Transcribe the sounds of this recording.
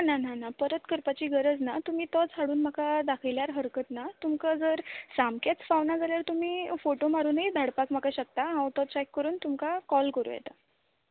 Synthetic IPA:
nanananapəɾət̪kəɾpat͡ɕiːɡəɾəd͡znat̪um̤iːt̪ɔt͡sʰaɽuːnməkad̪akʰiljaɾɦəɾkət̪nat̪umkəd͡zəɾsamket͡sfawnad͡zʱaljaɾt̪um̤iːfoʈomaɾuːnaid̪ʱaɽpakm̤əkaɕək̚t̪aɦãwt̪ɔt͡ɕɛkːəɾuːnt̪umkakɔlkəɾṵjɛ̰t̪a

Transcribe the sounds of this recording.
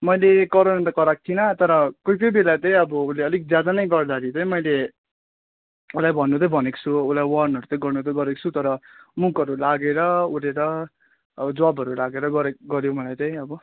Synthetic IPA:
mʌjlekʌɾonnt̪ʌkʌɾak̚t̪ʰinʌt̪ʌɾʌkojk̬ʌjbelat͡sʌĩʌbʌuleʌlik̚d͡zjad̪anʌjɡʌɾd̪aɾit͡sʌj̃mʌjle | ulajbʱʌnːut̪ʌ̃bʱʌnekt͡sʰuulajwʌrnʌɾut͡sʌĩɡʌrnut̪ʌɡʌɾekt͡sʰut̪ʌɾʌmukʌɾulaɡeɾʌuleɾʌ | d͡zwabʌɾulaɡeɾʌɡʌɾeɡʌɾjomʌlajt͡saĩʌbʌ

